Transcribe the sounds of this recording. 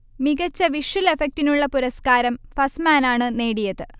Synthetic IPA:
miɡɐt͡ɕːɐʋiʂɐle̞fek̚tinuɭːɐpuɾɐskaːɾɐmfɐsmaːnaːɳɨne̞ːɽijɐðɨ

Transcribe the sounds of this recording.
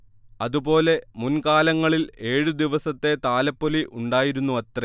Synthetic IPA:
ɐðubo̞ːle̞munkaːlɐŋːɐɭile̞ːɻud̪iʋɐsɐt̪ːe̞t̪aːlɐpːoliʔuɳɖaːjiɾunːuɐt̪re

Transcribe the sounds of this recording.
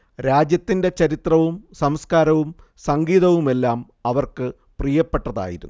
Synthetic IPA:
ɾaːd͡ʑjɐt̪ːinde̞t͡ɕɐɾit̪rɐʋumsɐmskaːɾɐʋum | sɐŋɡiːðɐʋume̞lːaːm | ɐʋɐrkɨ | prijɐpːe̞ʈːɐða̰ːjḭɾunː

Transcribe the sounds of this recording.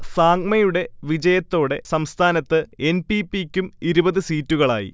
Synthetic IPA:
saːŋmɐjuɽe̞ʋid͡ʑɐjɐt̪ːo̞ːɽe̞sɐmst̪ʰaːnɐt̪ːɨe̞npipikʲːumiɾubɐðɨsiːtːuɣɐɭa̰ːjḭ

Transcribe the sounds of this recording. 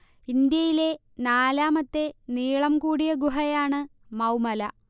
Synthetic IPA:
ind̪jɐjile̞ | naːlaːmɐt̪ːe̞niːɭɐmkuːɽijɐɡuɦɐjaːɳɨ | mɐwmɐlɐ

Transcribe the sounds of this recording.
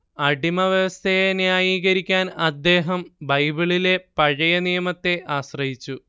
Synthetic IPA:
ɐɖimɐʋjɐʋɐst̪ʰejenjaːjiːɣɐɾikʲːaːnɐd̪ːe̞ːɦɐmbɐjbiɭile̞pɐɻɐjɐnijɐmɐt̪ːe̞ʔaːɕrɐɦit͡ɕːu

